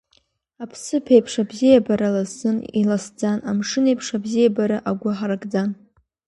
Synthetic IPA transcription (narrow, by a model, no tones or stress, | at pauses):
apʰsɨpʰejpʰʂabzijabaɾalazːɨnilasd͡zanamʂɨnejpʰʂabzijabaɾaʔaɡʷʊħaɾakʼd͡zan